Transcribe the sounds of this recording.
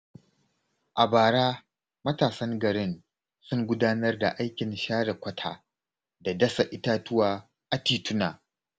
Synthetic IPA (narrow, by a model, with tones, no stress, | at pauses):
ʔa˨baː˨ɽaː˦ | mɐ˦taː˨sɐ˦ŋɡɐ˨ɽɪ˦n | sʊ˦ŋɡʷʊ˦daː˦nɐ˦rda̰˨ʔa˦jkʲɪ˨nʃaː˦ɽɐ˨kʷɐ˦tʰa̰ː˨ | da˨dɐ˦sa˨ʔɪ˦taː˦tʊ˦waː˨ | ʔa˨tiː˨tʰʊ˦naː˨